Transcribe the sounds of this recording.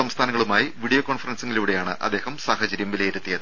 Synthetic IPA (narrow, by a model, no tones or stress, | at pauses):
ɐmst̪ʰaːnɐŋːɐɭumaːjiʋiɽijoːkoːnfɐrɐnsiŋɡiluːɽe̞jaːɳɨʔɐ̰d̪ːe̞ːhɐmsaːhɐt͡ɕɐɾjɐmʋilejiɾut̪ːijɐðɨ